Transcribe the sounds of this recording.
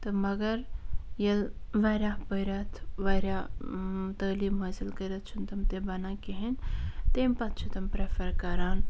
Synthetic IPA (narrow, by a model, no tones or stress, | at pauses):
t̪ɐmɐɡɐɾjɐlʋaɾapəjɾɐt̪ʰʋɐjɾa | t̪ɐːlimɐzilkəɾɐt̪̚t͡ʃʰunt̪ɐmt̪ebɐnakeɦent̪emʲpɐt̪̚t͡ʃʰut̪ɐmpɾepʰɐɾkɐɾaːn